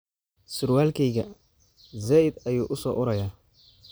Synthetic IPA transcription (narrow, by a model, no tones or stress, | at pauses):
sʊɾwaːlkʰɛjɣɐ | zaːɪd̪ɐjuːʔʊsɔːʔʊɾɐjaː